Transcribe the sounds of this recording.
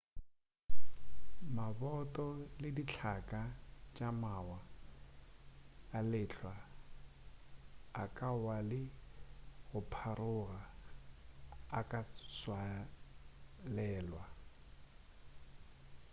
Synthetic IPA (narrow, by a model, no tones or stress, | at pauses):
mabɔtʼɔlɪdit͡ɬʰakʼat͡ʃʼamawa | lɪɬʰwa | kʼawalɪ | ɣʊpʰarʊɣa | kʼaswa | lɛːlwa